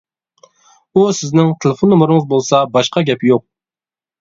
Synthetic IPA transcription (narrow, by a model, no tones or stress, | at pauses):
usɪznɪŋt̪ʰelˠɪfonːumuɾɨŋəzbolˠsɑbɑʃqɑɡʲɛpjoq̚